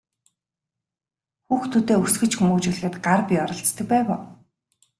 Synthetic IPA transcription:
xuːxt̪ʰut̪eːusɡɘ̆t͡ɕxumuːt͡ɕuːɮxɘ̆t̪ɢarpʲiɔɾɞ̆ɬt͡st̪ɘ̆k̚pæːwʊː

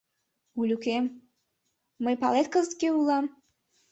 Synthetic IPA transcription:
ulʲukem | əjpɑ̰let̪̚kəzət̪keulɑm

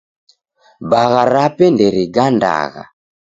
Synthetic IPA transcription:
baɣaɾapɛndɛɾiɡanda̰ɣa̰

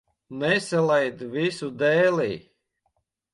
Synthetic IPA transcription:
nɛsʲalɛjd̪vʲisud̪ɛːlʲiː

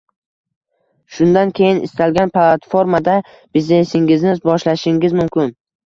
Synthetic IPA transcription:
ʃʊnd̪ankʲʰe̞jɪnɪ̰st̪alɡʲanplˠat̪fo̞ɾmad̪a | b̥ɪzne̞sɪŋɪznɪzbɒʃlaʃɪŋɪzmʊmkʲʰɪn

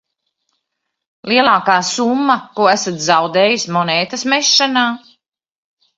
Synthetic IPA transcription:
liɛlˠaːkaːsumːɐkuɔæsat̪zawd̪eːjismɔnɛːt̪asmɛʃːanaː

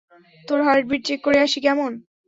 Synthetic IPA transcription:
t̪oɾɦaɾʈ̚bʱiʈt͡ɕekːoɾeaʃikɛmon

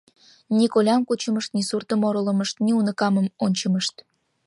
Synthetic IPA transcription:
nikolʲɑmkut͡ɕəməʃt̪nisurt̪əmoɾolə̆məʃt̪niunəkɑmə̆monʲt͡ɕəməʃt̪

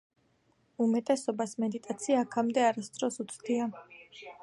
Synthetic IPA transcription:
umɛt̪ʼɛsɔbasmɛd̪it̪ʼat̪sʰiaːkʰamd̪ɛaɾast̪sʼɾɔsut̪sʰʼd̪ia

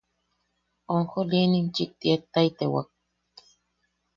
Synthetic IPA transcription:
oŋxolienint͡ʃit̪ʼiet̪ːajt̪ewa̰k̚

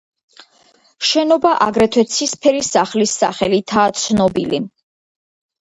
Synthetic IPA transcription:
ʃɛnɔbaʔaɡɾɛt̪ʰwɛt̪sʰispʰɛɾisaχlisːaχɛlit̪ʰaːt̪sʰnɔbili

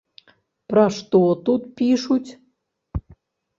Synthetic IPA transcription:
pɾɑʂt̪ot̪ut̪pʲiʃutʲ

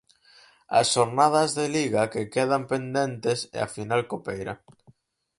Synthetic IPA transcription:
a̰sʃoɾnað̞azðeliɣakekeð̞ampend̪ent̪esḛa̰finalkopejɾa̰

